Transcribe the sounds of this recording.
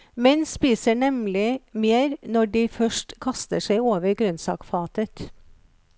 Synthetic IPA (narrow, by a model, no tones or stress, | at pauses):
mɛnspiːsəɳɛmlɪmeːɾnɔɖiːfœʃʈkʰɑst̪əʂæɪoːʋəɾɡɾœnsɑ̰ːkfɑːt̪ət̪